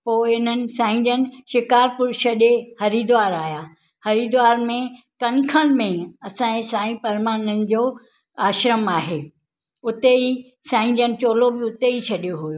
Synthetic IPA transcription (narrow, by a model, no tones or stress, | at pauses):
poːɪn̤ənɪ̆sãːɪ̃ɲd͡ʑənɪ̆ʃɪkaːɾpʊɾʃʰɐɗehɐɾiːd̪ʋaːɾaːɦjaː | hɐɾiːd̪ʋaːɾmẽ | kɐnkʰəɽ̃mẽɐsãːẽsãːĩpɐɾmaːnənɪ̆d͡ʑoː | aːʃɾəmaːɦeː | ʊt̪ei | sãːɪ̃ɲd͡ʑənɪ̆t͡ɕoːlobɪʊt̪eit͡ɕʰɐɗijoɦujoː